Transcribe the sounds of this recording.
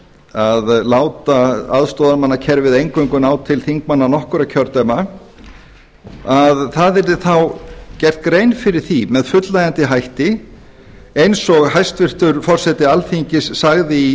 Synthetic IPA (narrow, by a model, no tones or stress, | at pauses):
aðlaːwt̪aaðst̪ɔːðamanːacʰɛɾvɪðejŋkœŋkʏnaːwt̪ʰɪlθiŋkmanːanɔhkʏɾacʰœɾt̪œma | aðθaðɛɾðɪθawcɛr̥t̪ɡɾejnfɪɾɪɾ̥θimɛðfʏt̪lajant̪ɪɦajht̪ɪ | ejnsɔɣɦajst̪vɪr̥t̪ʏɾfɔr̥sɛt̪ɪalθiɲcɪsːaɣðɪi